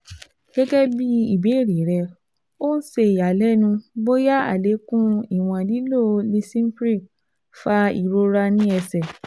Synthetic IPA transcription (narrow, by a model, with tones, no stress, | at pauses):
ɡ̥ɛ˦ɡɛ˦bi˦i˦˨be˨˦˨ɾi˨˦ɾɛ˧ | o˦n̩˦se˧i˨ja˨lɛ˦nũ˧bo˦ja˦a̰˨le˨˦kũ˦i˦˨w̃ɔ̃˧li˨˦lo˦˨li˧sĩ˦m̩˦fɾi˦˨ | fa˧˦ḭ˨ɾo˧ɾa˧nĩ˦ɛ˧sɛ˨